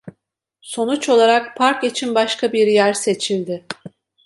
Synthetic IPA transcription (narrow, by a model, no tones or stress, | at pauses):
so̞nut͡ʃo̞lˠaɾak̚pʰaɾkit͡ʃʰinbaʃkʰabiɾjæɾse̞t͡ʃʰilʲd̪ɪ